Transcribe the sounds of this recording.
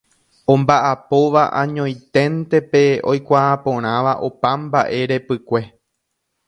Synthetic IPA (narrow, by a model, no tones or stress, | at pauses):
õ̞mbaʔapo̞ʋaʔãɲõ̞j̃t̪ẽ̞nt̪e̞pe̞o̞jkʷaãpõ̞ɾ̃ãʋaʔo̞pãmbaʔe̞ɾe̞pɨkʷe̞